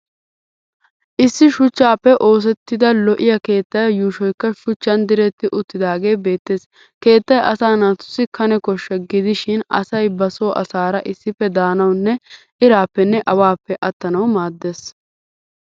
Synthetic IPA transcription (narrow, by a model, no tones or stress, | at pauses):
ʔɪsːɪʃʊt͡ʃːaːpːɛʔo̞ːs̬ɛt̪ːɪd̪ɐlɔʔɪjɐke̞ːt̪ːɐjɐjuːʃɔjkːɐʃʊt͡ʃːɐnd̪ɪɾɛt̪ːɪʔʊt̪ːɪd̪aːɡe̞ːbe̞ːt̪ːe̞ːs | ke̞ːt̪ːɐjʔɐsaːnat̪ːʊ̥sɪkɐnɛkɔʃːɛɡɪd̪ɪʃɪnɐ̰sɐjbɐso̞ːʔɐ̰saːɾɐʔɪsːɪpːɛd̪aːnɐwnːɛ | ɪɾaːpːɛnːɛʔɐwaːpːɛʔɐt̪ːɐnɐwmaːd̪ːeːs